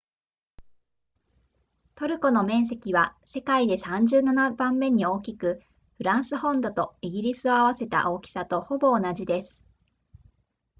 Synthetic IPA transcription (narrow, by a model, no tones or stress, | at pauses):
t̪o̞ɾɯ̟ko̞no̞mẽ̞ɰ̃s̬e̞kʲiβase̞kaid̪e̞sãɲ̟d͡ʑɨːnanabãmːe̞ɲ̟io̞ːkʲikɯ̟ | ɸɯ̟ɾãɰ̃sɨhõ̞nd̪o̞t̪o̞iɡʲiɾʲisɨo̞aβ̞ase̞t̪a̰ʔo̞ːkʲi̥sat̪o̞ho̞bo̞ːnaʑid̪e̞sɨ̥